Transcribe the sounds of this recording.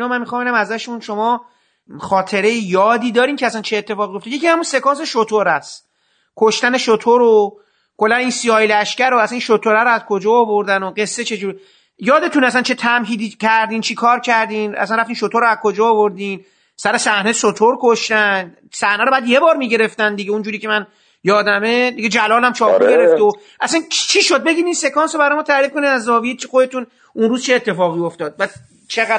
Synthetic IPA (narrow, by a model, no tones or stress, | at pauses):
nɒːmænmixɑːmbenæmæzæʃunʃomɒː | xɒːt̪ʰe̞ɾe̞jejɒːd̪iːd̪ɒːɾiːmcʰeæsænt͡ʃʰeːt̪ʰːe̞fɒːɣijoft̪ejecʰiːhæmunse̞kɒːns̬e̞ʃot̪ʰoɾæs | kʰoʃt̪æne̞ʃot̪ʰoɾo | kʰolːæniːnsiɒːjlæʃcæɾoæsæninʃot̪ʰoɾæɾoæzkʰod͡ʒɒːvoɾd̪ænoɢe̞sːet͡ʃʰe̞d͡ʒuːɾi | jɒːd̪e̞t̪ʰunæsænt͡ʃʰet̪ʰæmɦiːd̪iːcʰæɾd̪iːnt͡ʃʰiːkʰɒːɾcʰæɾd̪iːnæ̰sænræft̪imʃot̪ʰoɾoæzkʰod͡ʒɒːvoɾd̪iːn | sæɾesæhnesot̪ʰoɾkʰoʃt̪ænd̪ | sæhnæɾobæːd̪jebɒːɾmiːɟe̞ɾe̞ft̪ænd̪iɡeund͡ʒuːɾiːcʰe̞mæn | jɒːd̪æmed̪iɡed͡ʒælɒːlæmt͡ʃʰɒːpmiɡeɾeft̪eo | ʔæsænt͡ʃʰiːʃod̪̚be̞ɡiːniːnse̞kʰɒːnsobæɾɔːjemɔːt̪ʰæɾiːfko̞nid̪æzːɒːvijet͡ʃʰixod̪et̪ũn | ʔunruːzt͡ʃʰeːt̪ʰːe̞fɒːɣiːoft̪ɒːd̪̚bæd̪ | t͡ʃʰeɣæ